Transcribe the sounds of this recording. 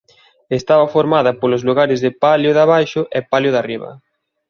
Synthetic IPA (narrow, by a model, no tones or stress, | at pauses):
est̪aβɐfoɾmaðɐpolozluɣaɾɪzðepaljʊðaβajʃʊʔɛpaljoðariβɐ̰